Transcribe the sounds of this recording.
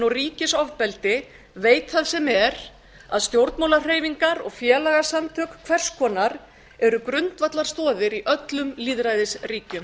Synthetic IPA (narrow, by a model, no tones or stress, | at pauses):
nɔriːcɪsɔvpɛlt̪ɪ | veːjt̪θaðsɛmɛɾ | aðst̪jowɾt̪mawlar̥eːjviŋkaɾɔɣfjɛːlaɣasamt̪ʰœkkʰvɛr̥skʰɔːnaɾ | ɛɾʏkɾʏnt̪vat̪laɾ̥st̪ɔːðɪɾiʔœt̪lʏmliːðɾajðɪsriːcʏm